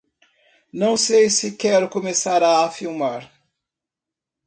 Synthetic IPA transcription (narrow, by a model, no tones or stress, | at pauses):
nɐ̃w̃sejsɪkɛɾʊkomesaɾaːfiwmaɾ